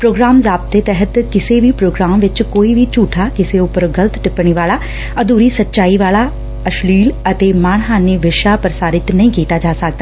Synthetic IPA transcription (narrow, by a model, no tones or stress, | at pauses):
pɾoːɡɾaːmzaːp̚t̪ːeːt̪ɛɦət̪kɪseːʋiːpɾoːɡɾaːmʋɪt͡ʃkoːiːʋiːt͡ʃuːʈʰaːkɪseʊpəɾɡələt̪ʈɪpɳ̃iːʋaːlaː | əd̪uːɾiːsətːʃaːiːʋaːlaː | əʃliːlət̪eːmaːɳ̃ɦãːneːʋɪʃaːpɾəsaːɾɪt̪nəĩːkiːt̪aːd͡ʒaːsək̚d̪aː